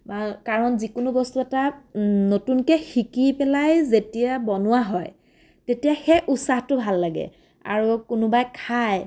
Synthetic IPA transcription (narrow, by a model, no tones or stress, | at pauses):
akaɹɔnzikʊnʊbɔstuɛtanotunkɛxikipɛlajzetijabɔnʊwaɦɔj | tetijaxɛʔutsaxtʊbʱalːaɡɛ̰ | a̰ɹukʊnʊbajkʰaj